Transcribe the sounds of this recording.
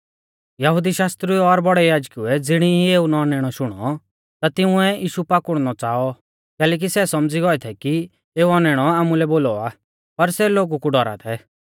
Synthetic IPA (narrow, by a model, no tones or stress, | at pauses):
jɐɦʊd̪iʃaːst̪ɾiɔɾbɔɽɛjaːd͡ʒkuɛd͡zɪɽ̃iɦieːunɔnɛːɽ̃ɔʃʊɽ̃ɔ̰ | t̪at̪ɪuɛʔiːʃupaːkʊɽ̃nɔt͡saːɔ | kɛːlɛːk̬isɛsɔmd͡ziɡɔɛt̪ʰɛki | eːuɔnɛɽ̃ɔaːmulɛboːlɔa | pɐɾsɛloːɡukuɖɔɾa̰t̪ʰɛ